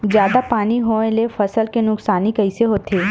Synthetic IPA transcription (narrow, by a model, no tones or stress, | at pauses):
zjaːd̪apaːniɦoelefɐsəlkenʊksaːnikɐɪseɦoːt̪ʰeː